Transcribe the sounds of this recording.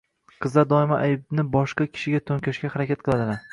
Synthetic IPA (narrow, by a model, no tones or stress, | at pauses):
qʰɨzlaɾd̪ɒɪmaʔajɪbnɪbɒʃqɑkʲʰɪ̥ʃɪɡʲat̪ʰoŋkʲʰaʃkʲahaɾakʲat̪̚qɨlˠad̪ɪlaɾ